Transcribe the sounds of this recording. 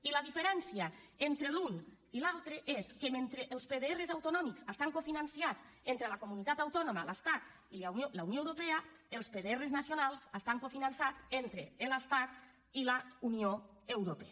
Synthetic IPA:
iləðifeɾɛnsiəent̪ɾelun | ilalˠt̪ɾeʔeskemẽnt̪ɾeʔːlˠspeðeerezawt̪ounɔmiksəst̪aŋkofinansiat͡sent̪ɾelakomunit̪at̪awt̪ɔnomələst̪at̪ | ilaolaunjoewɾopeəelˠspeðeereznasjonalˠzəst̪aŋkofinansat͡sent̪ɾeːləst̪at̪ | iləunioewɾope

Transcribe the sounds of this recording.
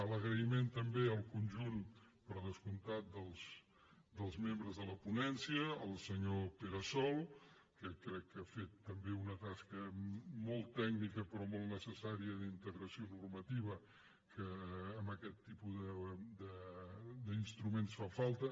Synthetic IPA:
ələɣɾəiment̪əmbeəlˠkunʲʒun | pəɾðəskunt̪at̪̚d̪əlˠs | d̪əlˠzmembɾəzðələpunɛnsiəːlˠsəɲopeɾəsɔlˠ | kəkːɾɛkːafet̪ːəmbeunət̪askəmɔlˠt̪ɛknikəpɾɔmɔlˠt̪nəsəsaɾiəðint̪əɣɾəsionurmət̪iβ̞ə | kəːmbəkɛt̪ːipuðəd̪əd̪əinst̪ɾumensfafalˠt̪ə

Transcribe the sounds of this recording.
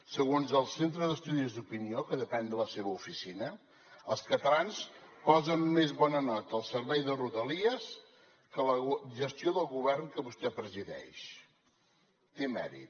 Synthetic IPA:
səɣonzəlˠsent̪ɾəðəst̪uðizd̪upiniokəðəpɛnd̪ələseβəufisinə | əlˠskət̪əlanspɔzəmmezβɔnənɔt̪əːlˠsəɾβɛjðəruðəliəs | kələʒəst̪ioðəlˠɣuβ̞ɛrŋkəβust̪ɛpɾəziðɛ̰ʃ | t̪emɛ̰ɾḭt̪̚

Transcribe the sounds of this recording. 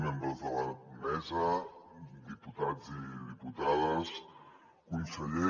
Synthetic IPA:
membɾəzðələmɛzə | d̪iput̪ad͡ziðiput̪aðəs | kunsəʎe

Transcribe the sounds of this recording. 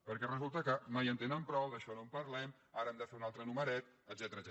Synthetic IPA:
pəɾkɛrəzulˠt̪əkəmajənt̪enəmpɾɔwðəʃɔnompəɾlɛm | aɾəɛmd̪əfeunalˠt̪ɾənuməɾɛt̪əd̪zɛt̪əɾə

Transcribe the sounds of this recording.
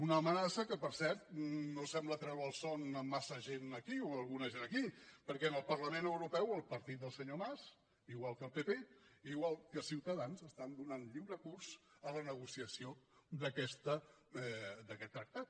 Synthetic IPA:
unəːmənasəkəpəɾsɛɾt̪̚nosɛmblət̪ɾɛwəlˠsɔnəmːasəʒenəkioəlˠɣunəʒenəkipəɾkɛənəlˠpərləmenəwɾupɛwəlˠpəɾt̪it̪̚d̪əlˠsəɲomaz | iɣwalˠkəlˠpepeiɣwalˠkəlˠsiwt̪əðanzəst̪and̪unanʎiwɾəkurz̥ələnəɣ̞usiəsiod̪əkɛst̪ə | d̪əkɛt̪ːɾək̚t̪at̪̚

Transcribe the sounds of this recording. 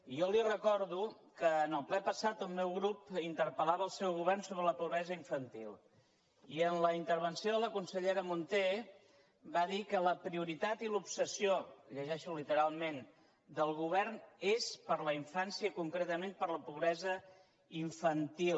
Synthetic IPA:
iɔlirəkɔɾðu | kəːnəlˠplɛpəsat̪əlˠmɛwɣɾupint̪əɾpəlaβəːlˠsɛwɣuβɛrnsoβɾələpuβɾɛzəiɱfənt̪ḭlˠ | iənləint̪əɾβ̞ənsijoðələkunsəʎeɾəmunt̪e | baðikələpɾiuɾit̪at̪ilupsəsioʎəʒɛʃulit̪əɾalˠmen | d̪əlˠɣuβɛrnespəɾləiɱfansiəkuŋkɾet̪əmenpəɾləpuβɾɛzə | iɱfənt̪il

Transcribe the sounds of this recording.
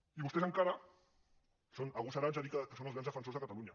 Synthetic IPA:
iβust̪esaŋkaɾa | sonaɣusaɾanzaðikəkəsonalˠzɣɾanzðəfənsozəkat̪aluɲa

